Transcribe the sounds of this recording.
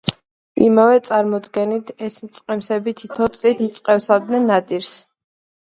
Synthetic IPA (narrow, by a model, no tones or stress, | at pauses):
ḭmavɛt̪sʼaɾmɔd̪ɡɛnit̪ʰɛsmt̪sʼqʼɛmsɛbit̪ʰit̪ʰɔt̪sʼit̪ʰmt̪sʼqʼɛfsad̪nɛnːat̪ʼiɾs